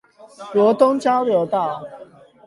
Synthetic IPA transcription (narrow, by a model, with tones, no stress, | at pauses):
lwɔ˨˥t̪ʊ˦ŋt͡ɕja˦ʊljo˨˧˦ʊt̪a˥˨